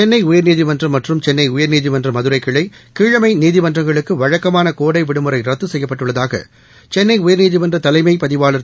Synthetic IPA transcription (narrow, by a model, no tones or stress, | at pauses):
ɛnːɐɪʊjɐɾniːðɪmɐndrɐmɐʈrɯmt͡ʃɛnːɐɪʊjɐɾniːðɪmɐndrɐmɐðɯɾɐɪkːɪɭɐɪkiːɻɐmɐɪniːðɪʋɐndrɐŋɡɐɭɯkːɯʋɐɻɐkːɐmaːnɐkoːɽɐɪʋɪɽɯmɯrɐɪɾɐt̪ːɯsɛjːɐpːɐʈːɯɭːɐðaːɣɐ̰ | t͡ʃɛnːɐɪʊjɐɾniːðɪmɐndrɐt̪ɐlɐɪmɐɪpɐðɪʋaːlɐɾ